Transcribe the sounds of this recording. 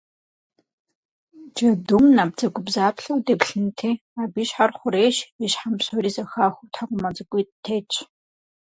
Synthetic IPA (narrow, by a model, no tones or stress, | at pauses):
d͡ʒɐdʊmnaːb̚d͡zɐɡʷʊbzaːpɬɐwdeːpɬɨntʰeː | aːbiːʃħarχʷʊɾeːʃiʃħamsoriːzɐxaːxʷʊtʰakʷʼʊmɐd͡zʼɨkʷʼitʰeːt͡ʃʼʰ